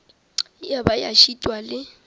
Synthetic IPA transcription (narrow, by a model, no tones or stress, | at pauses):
jabaja̰ʃitʼwalɪ